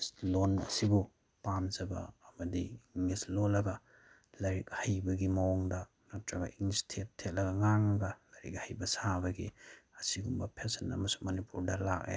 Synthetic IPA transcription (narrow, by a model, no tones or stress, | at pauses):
slonɐ̰sibu | pamzɐbɐ̰ːmɐdiŋislolɐɡɐ | lɐɾik̚hajbɐɡimɐwoŋdɐ | mɐtɾɐɡɐ̰ʔiŋistʰetʰːet̚lɐɡɐŋaŋɐɡɐlɐɾḭk̚hajbɐsabɐɡḭɐsiɡumbɐpʰesenɐ̰mɐsu̥monipuɾdɐla̰k̚ḛ